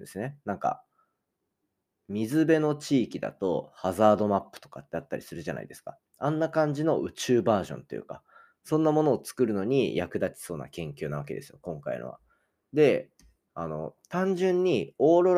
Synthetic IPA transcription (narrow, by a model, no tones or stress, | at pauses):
d̪esɨne̞nãŋka̰ | mʲizɨbe̞no̞t͡ɕiːkʲid̪a̰t̪o̞hazaːd̪o̞mapːɯ̟̥t̪o̞kat̪ːeat̪ːaɾʲisɨɾɯ̟ʑanʔa̰id̪e̞sɨ̥ka | ãnːakãɲ̟d͡ʑino̞ʔɯ̟t͡ɕɨːbaːʑõnt̪e̞jɯ̟̰ka | sõ̞nːamo̞no̞ːt͡sɨ̥kɯ̟ɾɯ̟no̞ɲ̟ijakɯ̟d̪at͡ɕʲi̥so̞ːna̰kẽ̞ŋkʲoːnaβake̞d̪e̞sɨjokõ̞ŋkaḭno̰βa̰ | d̪e̞ | ano̞̰t̪ãɲ̟d͡ʑɨ̃ɲ̟ːio̞ːɾo̞ɾ